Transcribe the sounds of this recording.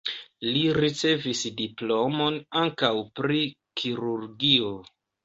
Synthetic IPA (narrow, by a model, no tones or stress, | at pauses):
liɾit͡se̞visdiplo̞mo̞naŋkawpɾi | kʰiɾuɾɡio